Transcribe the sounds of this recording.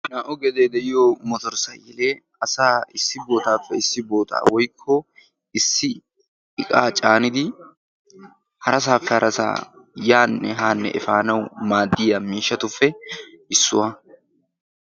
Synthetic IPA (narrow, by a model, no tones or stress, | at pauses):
naːʔʊɡɛd̪eːd̪ɛʔɪjoːmɔt̪ɔɾsɐjjɛleː | ɐsaːɪsːɪbo̞ːt̪aːfːɛɪsːɪbo̞ːt̪a̰ːwɔjkʰːɔ | ɪsːɪ | ɪkʼaːt͡ʃʼaːnɪd̪ɪ | hɐɾɐs̬aːfːɛhɐɾʔɐsa̰ː | jaːnːɛɦaːnːɛ̰ʔɛ̰faːnɐwmaːd̪ːɪjɐmiːʃːɐt̪ʊfːɛ | ɪsːʊwɐ